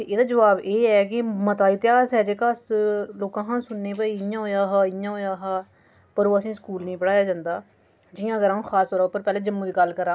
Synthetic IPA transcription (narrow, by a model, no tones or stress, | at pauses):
t̪eːʔeːd̪aːd͡ʒəʋaːbeːɛːkɪmət̪aːiːt̪ɪjaːzɦɛːd͡ʒeːkaːsloːkãːɦãːsʊnːeːpaːiːɪjãːɦoːjaːɦaːɪjãːɦoːjaːɦaː | pəɾoːəsĩːskuːlnəĩːpəɽaːjaːd͡ʒãːnd̪aː | d͡ʒɪjãːɡəɾaːũːxʰaːst̪ɔːɾʊpːəɾpɛːleːd͡ʒəmːũːd̪iːɡəlkəɾaː